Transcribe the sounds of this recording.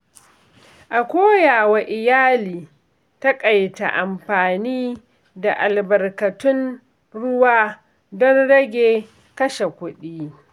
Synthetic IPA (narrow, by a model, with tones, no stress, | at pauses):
ʔa˨kʷoː˦jaː˨wa˨ʔɪ˨jaː˦liː˨ | ta˦kʼɐ˨jta̰˨ʔa˨mɸaː˨niː˦ | da˨ʔa˨lbɐ˨rkɐ˨tʊ˦n | ɽʊ˦waː˦ | dɔ˦nɽɐ˦ɡʲeː˨ | kɐ˦ʃe˨kʷʊ˦ɗiː˦